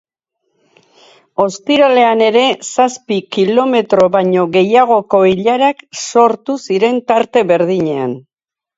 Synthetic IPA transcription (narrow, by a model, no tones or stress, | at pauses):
o̞st̪iɾale̞ane̞ɾe̞saspikilo̞me̞t̪ɾo̞βaɲo̞ɣe̞jaɣ̞o̞ko̞iʎaɾakso̞ɾt̪usiɾe̞nt̪aɾt̪e̞βe̞ɾðiɲe̞a̰n